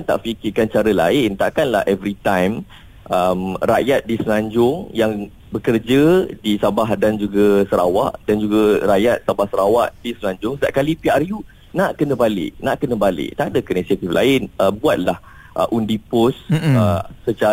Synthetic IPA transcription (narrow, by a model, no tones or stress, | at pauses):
nt̪a̰ʔfikɪkant͡ʃaɾəla̰ɪnt̪a̰ʔkanla̰hɛvɾit̪ãjm | ʔəmra̰jat̪̚disəlãɲd͡ʒʊŋjaŋ | bəkərd͡ʒədisabahdand͡ʒuɡəsəɾawaʔdand͡ʒuɡəɾajat̪̚sabahsəɾawaʔdisəlaɲd͡ʒʊŋsədaʔ̚kalipiarju | naʔkənə̃balɪ̰ʔnaʔkənə̃balɪ̰ʔt̪adəkənisat̪iflʔa̰ɪnʔəbuat̪̚lah | ʔə̰ʔundipʊsəsət͡ʃa